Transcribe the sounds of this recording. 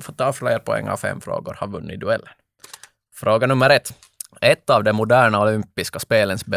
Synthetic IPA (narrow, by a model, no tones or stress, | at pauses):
fɔt̪ːɑːfleːɾpʰɔɛ̰ŋːa̰vfɛ̰mːfɾo̰ːɡʊɾhɑɾvɵnːɪd̪ɵɛlːən | fɾoːɡanɵmːəɾɛt̪ː | ɛt̪ːɑvd̪ɛmʊd̪æːɳaɔlʏmpɪskaspeːlənsbɛ